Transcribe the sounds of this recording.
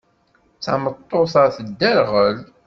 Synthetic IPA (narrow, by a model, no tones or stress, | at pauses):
t͡sa̰mət̪ˤːoθɑθəd̪ːæɾʁəl